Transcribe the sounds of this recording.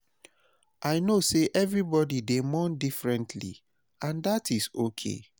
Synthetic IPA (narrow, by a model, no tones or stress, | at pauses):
ʔaɪnoseʔɛvɹibɔdidemɔ̃ndifɹɛ̃ntʰlḭ | ãndatʰizokʰḛ